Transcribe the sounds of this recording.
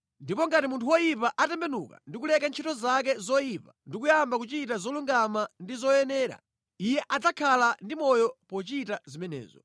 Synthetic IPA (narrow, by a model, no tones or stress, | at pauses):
ndipɔŋɡatimuntʰuwɔjipaʔatɛmbɛnuka̰ndikulɛkant͡ʃʰitɔzak̬ɛzɔjipandikujambakut͡ʃit̬azɔluŋɡamandizɔjɛnɛːɾa̰ | ijɛʔad͡zakʰalandimɔjɔpɔt͡ʃitazimɛnɛ̰ːzɔ